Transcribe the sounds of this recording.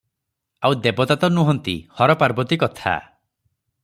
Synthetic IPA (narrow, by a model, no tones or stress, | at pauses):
awd̪ebɔt̪at̪ɔnuɦɔnt̪ḭhɔɾɔpaɾbɔt̪ikɔt̪ʰa̰